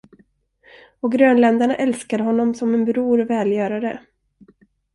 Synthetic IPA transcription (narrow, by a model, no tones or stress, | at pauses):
ɔɡɾøːnlɛnd̪aɳaʔɛlskad̪əɦɔnːɔmsɔmɛnbɾuːɾvɛːljœːɾaɾə